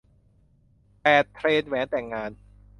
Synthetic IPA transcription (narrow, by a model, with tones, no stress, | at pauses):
pɛː˨˩t̪ʰːɾeː˧nwɛː˨˦nt̪ɛː˨˩ŋːaː˧n